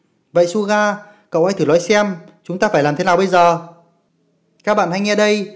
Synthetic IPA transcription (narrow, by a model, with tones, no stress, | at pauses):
və̰˧˨jsu˧ɣaː˧ | kə̰˧˨wha˧jt̪ʰɨ˧˩lɔ̰˧˦jsɛ˧m | t͡ɕʊ˨˦ŋ͡mt̪aː˧faː˧˩jlaː˨˩mt̪ʰe˦naː˨˩wɓə˧jzəː˨˩ | kaː˦˥k̚ɓa̰ː˧˨nha˧jŋɛ˧ɗə˧j